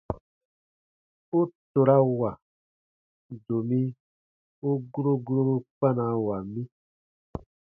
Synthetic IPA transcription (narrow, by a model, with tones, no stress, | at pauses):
o˦to˨ɾa˦wa˨ | do˨mĩ˦ | o˦ɡu˦ɾo˦ɡu˦ɾo˦ɾo˦k͡pa˦na˨˦wa˨mĩ˦